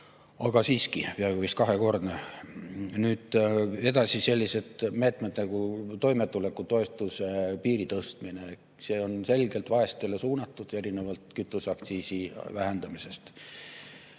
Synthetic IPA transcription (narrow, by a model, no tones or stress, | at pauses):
ɑɡ̥ɑsiːskipeɑɡ̥uvist̪kɑɦe̞ko̞rd̪ne | nyːd̪̥e̞d̪ɑsise̞lʲːise̞d̪̥me̞ːt̪ˑmed̪nɑɡ̥ut̪o̞jmet̪ːˑule̞kːˑut̪o̞e̞st̪usepiːɾit̪ɤst̪mine | se̞ːo̞nse̞lɡ̥e̞lt̪vɑe̞st̪ele̞suːnɑt̪ːˑud̪̥e̞ɾinevɑlt̪kyt̪ːˑusɑkt̪siːsivæɦe̞nd̪ɑmise̞st̪